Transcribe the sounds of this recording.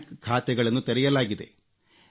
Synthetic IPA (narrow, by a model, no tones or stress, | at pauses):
kkʰaːt̪ɛɡɐɭɐnːut̪ɐɾɛjɐlaːɡid̪e̞̰